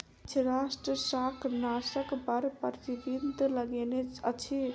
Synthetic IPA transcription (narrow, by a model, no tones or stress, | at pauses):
t͡ʃʰɾasʈɾəsakʰnasəkbəɾpt̪ibint̪ləɡenet͡ʃət͡ʃʰi